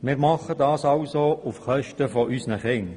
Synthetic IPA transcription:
mɪːʁmɑχədɑːsɑʊsoufχœʃtəfɔʔysnəχɪŋ

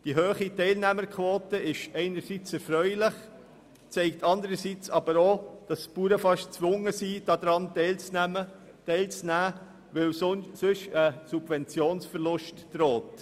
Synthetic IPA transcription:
d̥iɦøːχitɛɪlnæməɾkʰʋoːtəɪʃɛɪnəɾsit͡sɛɾfɾœʏlɪχ | t͡sɛɪk̚tʰɑndəɾəsit͡sɑb̥əɾoːd̥ɑspuːɾəfɑʃt͡sʋʊŋəsiːd̥ɑd̥̪ɾɑnɛɪlt͡sæmə | tɛɪlt͡snæː | ʋɛlsʏʃəsub̥vɛnt͡sjoːnsfəɾlʊʃtd̥ɾoːt

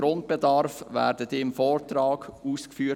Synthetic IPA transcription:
ɾʊnt̚b̥ɛdɑɾfʋæ̰ːɾdədɪmfɔːɾtɾɑːɡuːskfyːə

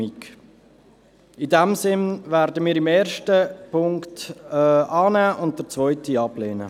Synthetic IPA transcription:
ik | idɛmsɪnvæːɾdəmiːɾɪmeːɾʃtəpʰʊŋktː | ɑːnæːʔʊnt̚d̥əɾt͡svɔʏtiɑbleːnə̰

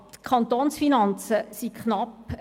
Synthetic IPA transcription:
t̪kʰɑnt̪oːnsfinɑnt͡səsikχnɑp

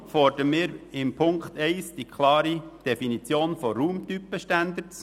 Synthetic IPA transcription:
fɔɾd̥əmɪːɾɪmpʰʊŋkt̪ɛɪsd̥ikʰlɑːɾid̥ɛfinit͡sjoːnfɔɾuːmt̪ypːəʃtænd̪ət͡s

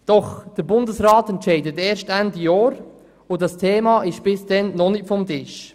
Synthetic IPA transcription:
d̥ɔχd̥əɾbʊndəsɾɑːtɛntt͡ʃɛɪdəteːɾʃtændijɔːɾ | ʊdɑstʰeːmɑːʔɪʃb̥ɪsd̥ɛnːɔnɪkfɔmtɪʃ

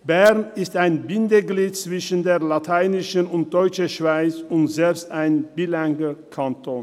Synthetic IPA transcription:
bɛɐnɪstaɪnbɪndəɡliːt̚t͡sv̥ɪʃən̩deːɐlatʰaɪnɪʃənʊnt̚d̥ɔʏt͡ʃəʃv̥aɪt͡sʊntz̥ɛlpstaɪnbilaŋɡəkʰantʰoːn

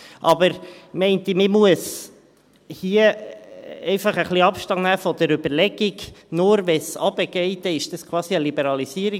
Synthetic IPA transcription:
ʔɑbəɾmɛɪnt̪imɪmuəs | hiə | ɛɪfɑχəχliɑpʃtɑŋnæːfɔd̥̪əɾʏbəɾlɛɡiɡnʊɾʋɛsɑbəɡ̥ɛɪt̪əɪʃd̥̪ɑskʰwɑːsiəlibɛɾɑlisiəɾi

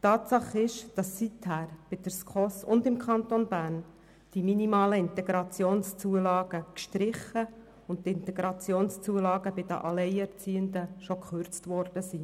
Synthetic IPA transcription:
tɑːt̪sɑχɪʃd̥ɑsːithæːɾb̥ɪd̥̪əɾskχɔsʊ̰ndɪmkʰɑnt̪onbæːɾn | d̥iminimɑːləɪnt̪ɛɡ̥ɾɑt͡sjoːnst͡suəlɑːɡ̥əkʃtɾɪχə | ʊnt̚tɪntɛɡɾɑt͡sjoːnst͡suəlɑːɡəbɪdə̰ʔɑlɛɪɛɾt͡siːəndəʃokχøɾt͡stʋɔrd̥əsi

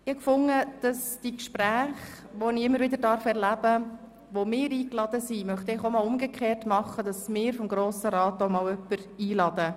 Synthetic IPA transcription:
ɪhɑkfʊŋːəd̥ɑsd̥ikʃpɾæːχ | ʋonɪɪmːəɾvɪd̪əɾdɑɾfɛɾlæb̥ə | ʋomɪːɾiːklɑd̥̪əsimœχt̪əɪχomɑlʊmɡekʰχeːrtmɑχːəd̥ɑsmɪːɾfɔmɡɾoːsəɾɑːtoʊmɑːwœpːəɾiːlɑd̥̪ə

